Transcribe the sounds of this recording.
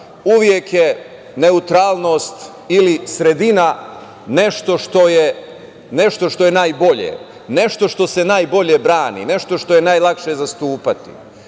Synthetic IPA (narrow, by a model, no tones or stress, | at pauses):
uʋje̞kje | ne̞ut̪ɾaːlˠno̞ːst̪ | ilisɾe̞d̪ina | ne̞ʃt̪o̞ʃt̪o̞je | ne̞ʃt̪o̞ʃt̪o̞jenaːjbo̞ʎḛ | ne̞ʃt̪o̞ʃt̪o̞se̞naːjbo̞ʎe̞bɾaːnḭne̞ʃt̪o̞ʃt̪o̞jenaːjlˠakʃezast̪uːpat̪ḭ